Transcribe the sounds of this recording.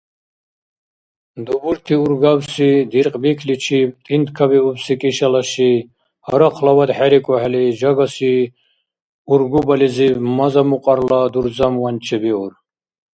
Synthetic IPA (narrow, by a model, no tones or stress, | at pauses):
d̪ubuɾt̪ʰiuɾɡawsid̪iɾqʼbikʰlit͡ʃʰit̪ʼind̪kʰabiubsikʼiʃalaʃi | hɔɾaqʰlawad̪ħɛɾikʼɔhɛlid͡ʒaɡasi | uɾɡubalizimazamuqʼaɾlad̪uɾd͡zamwant͡ʃʰɛbiuɾ